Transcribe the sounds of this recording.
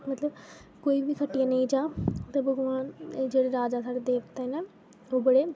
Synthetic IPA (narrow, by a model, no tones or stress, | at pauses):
mət̪ləb | koːiːbiːkʰəʈːijãːnəĩːd͡ʒaːt̪eːbəɡʋaːnd͡ʒeːɽeːɾaːd͡ʒaːsaːɽeːd̪eːkt̪aɦinɛː | oːbəɽeː